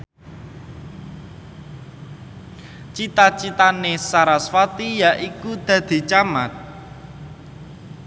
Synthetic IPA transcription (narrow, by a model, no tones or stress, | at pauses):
t͡ʃit̪at͡ʃit̪anesaɾasfat̪ijaʔikud̪̥a̤d̪̥i̤t͡ʃama̰t̪̚